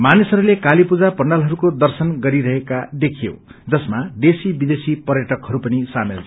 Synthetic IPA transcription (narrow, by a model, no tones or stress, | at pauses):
manisɦʌɾulekalipud͡zapʌɳɖalɦʌɾukod̪ʌrsʌnɡʌɾiɾʌɦekad̪ekʰijo̰d͡zʌsmad̪esibid̪esipʌrjʌʈʌkɦʌɾupʌnisamḛlt͡sʰ